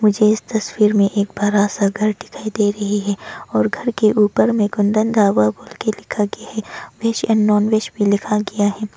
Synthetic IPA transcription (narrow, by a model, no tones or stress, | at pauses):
mʊd͡ʒʱeɪst̪ɐswiːɾmẽʔeːk̚baːɾasaɡʱɐɾɖɪ̥kʰaid̪eːɾɐɦiɦɛːɔːɾɡʱɐɾkeʔuːpəɾmẽɡʊ̃nd̪ə̃nd̪aːʋaboːlkelɪkʰaɡɐjaɦɛːʋeːʃɛnːɔːnʋeːʃbʱilɪkʰaɡɐjaɦɛː